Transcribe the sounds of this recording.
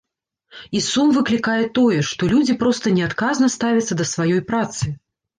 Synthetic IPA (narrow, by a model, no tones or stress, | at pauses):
isumvɨklʲikajɛt̪ɔjɛʂt̪ɔlʲud͡zʲipɾɔst̪ɐnʲɛat̪kaznɐst̪avʲɐt̪sːɐd̪ɐsvajɔjpɾat̪sɨ